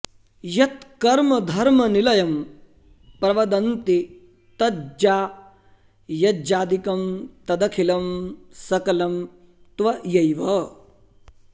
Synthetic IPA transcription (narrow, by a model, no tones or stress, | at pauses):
jɐt̪kɐɾmɐd̪ʱɐɾmɐnilɐjɐm | pɾɐʋɐd̪ɐnt̪i | t̪ɐd͡ʒaː | jɐd͡ʒaːd̪ikɐmt̪ɐd̪ɐkʰilɐmsɐkɐlɐm | t̪ʋɐjɐjʋɐ